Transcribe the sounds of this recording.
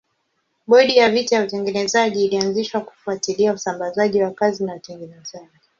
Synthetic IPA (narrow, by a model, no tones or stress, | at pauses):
ɓɔɗijavitajautɛŋɡɛnɛzaʄiːlianziʃwaku̥fuatiliausambazaʄiwakazinautɛŋɡɛnɛzaʄi